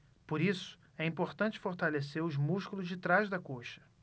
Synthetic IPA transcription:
poɾisʊ̥ | ɛĩpoɾt̪ɐ̃t͡ʃɪ̥foɾt̪aleseɾʊzmuʃkulʊzd͡ʒɪt̪ɾaʒd̪ɐkoʃɐ̥

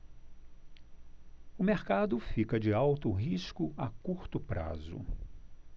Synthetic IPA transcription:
ʊmeɾkad̪ʊfikɐd͡ʒɪawt̪ʊɦiskʊʔakuɾt̪ʊpɾa̰zʊ̰

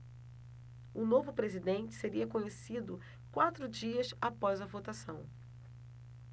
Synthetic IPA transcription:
ʊnovʊpɾezid̪ẽnt͡ʃɪ̥seɾiɐkõɲesid̪ʊ | kwat̪ɾʊd͡ʒiɐsapɔjzɐvot̪asɐ̃w̃

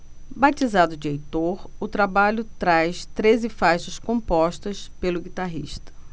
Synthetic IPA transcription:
bat͡ʃizad̪ʊd͡ʒɪejt̪oɾʊt̪ɾabaʎʊt̪ɾajst̪ɾezɪfajʃɐskõmpɔʃt̪ɐspelʊɡit̪aɦḭʃt̪ɐ̥

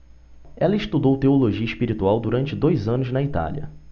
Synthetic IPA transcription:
ɛlɐɪst̪ud̪owt̪eoloʒiɐiʃpiɾit̪uawd̪uɾɐ̃nt͡ʃɪd̪ojzɐ̃nʊznɐit̪a̰liɐ̰

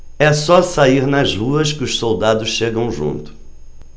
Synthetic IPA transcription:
ɛsɔsaiɾnɐzʁuɐskɪʊssowd̪ad̪ʊsʃeɡɐ̃w̃ʒṵ̃nt̪ʊ̥

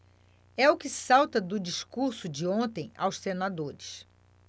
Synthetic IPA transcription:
ɛʊkɪsawt̪ɐd̪ʊd͡ʒiʃkuɾsʊd͡ʒɪõnt̪ẽj̃a̰wssenad̪oɾɪs

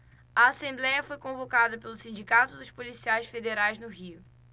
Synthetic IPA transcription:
ɐːsẽmblɛjɐfojkõvokad̪ɐpelʊsĩnd͡ʒikat̪ʊd̪ʊʃpolisiajsfed̪eɾajznʊɦiʊ

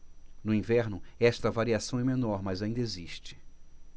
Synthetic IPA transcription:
nʊĩvɛɾnʊɛst̪ɐvaɾiasɐ̃w̃ɛmẽnɔɾmɐzaĩnd̪ɐeziʃt͡ʃɪ̥

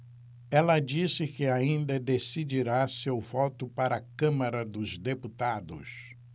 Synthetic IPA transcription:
ɛlɐd͡ʒisɪkɪaĩnd̪ɐd̪esid͡ʒiɾasewvɔt̪ʊpaɾɐːkɐ̃mɐɾɐd̪ʊzd̪eput̪ad̪ʊ̰s

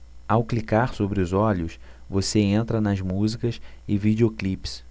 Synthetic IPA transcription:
awklikaɾsobɾɪʊzɔʎʊs | voseẽnt̪ɾɐnɐzmuzikɐsɪvid͡ʒeoklips

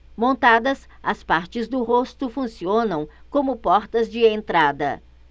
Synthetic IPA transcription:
mõnt̪ad̪ɐs | ɐspaɾt͡ʃɪzd̪ʊɦost̪ʊfũsiõnɐ̃w̃kõmʊpɔɾt̪ɐzd͡ʒɪẽnt̪ɾad̪ɐ̰

